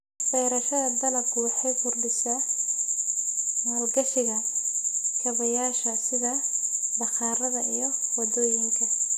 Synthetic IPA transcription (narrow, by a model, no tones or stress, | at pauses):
fɛjɾɐʃɐðɐd̪ɐlɐbkʰʊwɑħɑjfʊrdɪsɐ | malɡɐʃɪɣɐ | kʰɐβɐjaːʃɐsɪðɐd̪ɐxɑːɾɐðɐʔijɞwɑd̪ɔːjɪŋkʰɐ